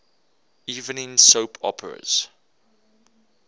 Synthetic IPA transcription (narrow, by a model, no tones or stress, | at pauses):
iːvə̃nɪ̃nsoʊpʰɔ̰pʰəɹə̰z̥